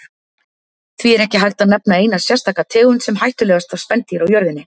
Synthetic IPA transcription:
θviɛɾɛhcɪɦajxt̪aðnapnaeːjnasjɛr̥st̪ʰaːkat̪ʰɛːɣʏnsɛmɦajht̪ʏlɛːɣast̪vav̥spɛnt̪iɾawjœɾðɪnːɪ

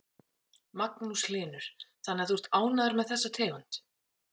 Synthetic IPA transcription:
maknuslɪːnʏɾ̥θanːɛθur̥t̪aːwnaðaɾmɛðθɛsːat̪ʰɛːɣʏn̥t̪

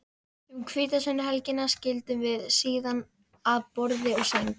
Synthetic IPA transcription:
umkʰvɪːt̪asɛnʏhalcɪnːascɪlt̪ɪvɪðsiːðan | aðpɔɾðɪɔɣsɛŋ

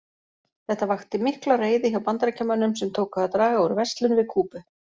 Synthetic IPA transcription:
θɛht̪avaxt̪ɪmɪhklareːjðɪçawpant̪aɾacʰɛmːanːʏmsɛmt̪ʰoːwkaðat̪ɾaːɣaɔwɾʏvɛrst̪lʏnvɪðkʰuːpʏ

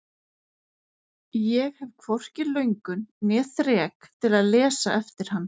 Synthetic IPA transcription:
jɛɣhɛvkʰvɔr̥cɪlœɥŋkʏnːɛːθɾɛːkt̪ʰɪlaðlɛːsaʔɛft̪ɪɾ̥hanː

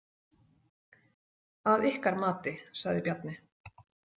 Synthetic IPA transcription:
aðɪhkaɾmaːt̪ɪsaɣðɪpjat̪̚nɪ

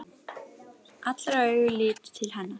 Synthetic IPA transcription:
at̪laɾœɥɣʏliːt̪t̪ʰːɪlɦanːa

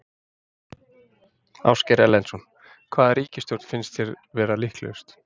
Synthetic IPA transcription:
a̰wscɛɾɛlːɛnsɔn | kʰvaːðaɾiːcɪst̪jowɾt̪fɪnst̪θçjɛɾ | vɛːɾalihklœ̰wst̪

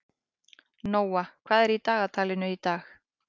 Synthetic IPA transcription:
noːwakʰv̥aːðɛɾit̪aːɣat̪ʰaːlɪnʏit̪aːx

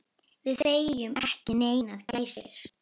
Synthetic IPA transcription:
vɪðθeːjjʏmɛhcɪneːjnaðcejsɪ̰ɾ̥

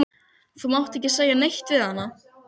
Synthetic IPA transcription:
θamawht̪ɛhcːɪseːjanejht̪vɪðhanːa

